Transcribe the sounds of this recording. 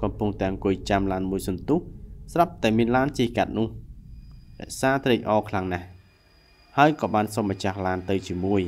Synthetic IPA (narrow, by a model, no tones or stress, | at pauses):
kɑmpuŋt̪ɛ̆əŋkʊ̆əjt͡ɕamlaːnmuəjsɑnt̪uhsrap̚t̪aɛmiənlaːnt͡ɕiːhkat̪̚nʊ̆əh | rɛ̰̆əʔsaːt̪reːc̚ʔɑːkʰlaŋnah | haəjkɑːɓaːnsɑmːat͡ɕahlaːnt̪ɨwt͡ɕiəmuəj